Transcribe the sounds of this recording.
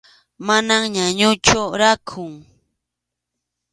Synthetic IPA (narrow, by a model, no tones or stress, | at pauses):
manaŋɲaɲʊt͡ʃʊɾakʰʊŋ